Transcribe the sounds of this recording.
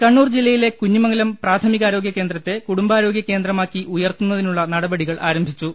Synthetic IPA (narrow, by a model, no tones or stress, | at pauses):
kɐɳːuːrd͡ʑilːɐjile̞kuɲːimɐŋɐlɐmpraːt̪ʰɐmiɣaːɾo̞ːɡjɐke̞ːnd̪rɐt̪ːe̞kuɽumbaːɾo̞ːɡjɐke̞ːnd̪rɐmaːkːiʔujɐrt̪unːɐðinuɭːɐnɐɽɐbɐɽiɣɐɭʔaːɾɐmbʱit͡ɕːu